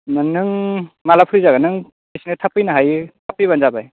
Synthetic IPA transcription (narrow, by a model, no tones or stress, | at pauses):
nanɯŋmalapʰɯɾizaɡanɯŋ | esinɯtʰapɯjnaɦajtʰapɯjβanzabaj